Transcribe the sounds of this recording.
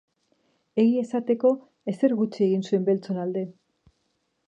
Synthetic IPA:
e̞ɣie̞sat̪e̞ko̞ | e̞se̞ɾɣut͡ʃie̞ɣinsue̞mbe̞lt͡so̞nald̪e̞

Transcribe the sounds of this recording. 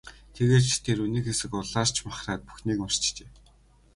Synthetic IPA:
t̪ʰeɣeːrt̪ʰeːɾuniːkxesɘ̆kʊɮaːr̥t͡ɕʰmaχraːt̪̚pu̥xniːkʊr̥t͡ɕt͡ɕeː

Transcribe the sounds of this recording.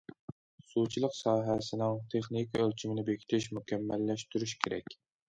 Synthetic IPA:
sut͡ʃʰilˠəqsɑːɦɛsɪnɪŋt̪ʰeχnikʲʰiølt͡ʃʰimɪnɪbekʲʰi̥t̪ʰɪʃmukʲɛmːɛlːɛʃt̪yɾyʃkʲʰeɾɛ̰kʲ

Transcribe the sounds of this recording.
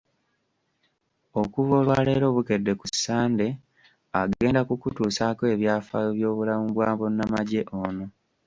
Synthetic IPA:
o̞kuβo̞ːlwaːle̞ɾo̞βuke̞dːe̞kusːaːnde̞ | aɡe̞ːndakukutuːsakoe̞βjaːfaβjo̞ːβulamuβwaːβonamaɟe̞ʔono̞

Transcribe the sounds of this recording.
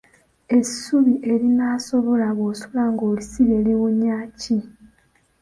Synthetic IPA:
e̞suβiʔe̞ɾinaːso̞βo̞laβoːsulaŋɡoːlisiβe̞liɣuɲːaːci

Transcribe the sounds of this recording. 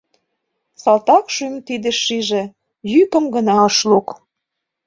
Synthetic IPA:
sɑlt̪ɑkʃymt̪id̪ĕʃːiʒĕ | jykə̆mɡə̆nɑɤʃluk

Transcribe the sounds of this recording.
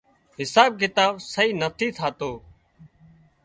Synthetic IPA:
ɦɪsaːb̚kɪt̪aːʋsəiːnət̪ʰiːt̪ʰaːt̪oː

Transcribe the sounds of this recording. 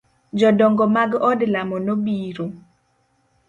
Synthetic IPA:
d͡ʒɔdɔŋɡɔmaɡɔdlamɔnobiɾo

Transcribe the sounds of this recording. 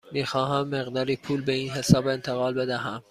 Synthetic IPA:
miːxɒːɦæmːe̞ɣd̪ɒːɾiːpʰuːlbeiːnɦe̞sɒːbe̞nt̪ʰeɣɒːlbe̞d̪æɦæm

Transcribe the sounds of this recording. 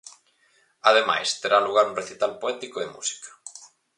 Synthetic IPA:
aðema̰jst̪eɾaluɣ̞aɾũnreθit̪alpoɛt̪ikoemṵsi̥kɐ̥

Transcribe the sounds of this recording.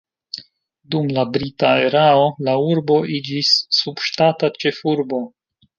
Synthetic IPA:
dumlabɾitae̞ɾao̞lauɾbo̞id͡ʒisːubʃtatat͡ʃe̞fuɾbo̞

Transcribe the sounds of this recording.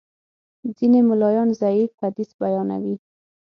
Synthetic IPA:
zinemʊlɑjɑnzaifhad̪isbajɑna̰wi

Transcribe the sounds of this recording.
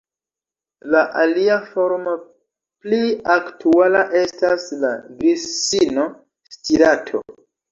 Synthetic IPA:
laʔaliafo̞ɾmo | pliaktualaʔe̞stasla̰ɡɾisino | stiɾatʰo̞̰

